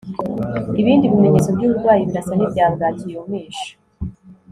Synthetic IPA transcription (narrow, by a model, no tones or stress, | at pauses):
iβiːndiβime̞ɲet͡so̞bɟuːβuɾɡwaːjiβiɾasanibjaːbɡaːtijoumiːʃḁ